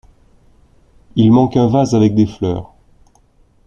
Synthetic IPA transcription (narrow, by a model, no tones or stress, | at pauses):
ilmɑ̃kɛ̃vazavɛk̚d̪eflœ̰ːʁ